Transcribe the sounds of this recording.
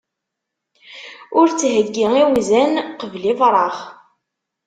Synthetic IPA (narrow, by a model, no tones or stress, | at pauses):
ʊɾt͡sːɦəɡːiiwizænqəvlivɾˤɑʁ